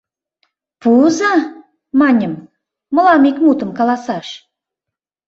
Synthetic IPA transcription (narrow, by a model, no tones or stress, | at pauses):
puzɑ | mɑnʲə̆mː | ə̆lɑmikmut̪ə̆mkɑlˠɑsɑʃ